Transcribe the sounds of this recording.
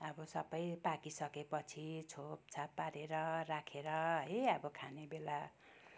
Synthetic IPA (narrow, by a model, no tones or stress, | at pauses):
ʌbʌsʌbʌjpakisʌkepʌt͡sʰit͡sʰop̚t͡sʰapːaɾeɾʌrakʰeɾʌɦʌjʌbʌkʰanebela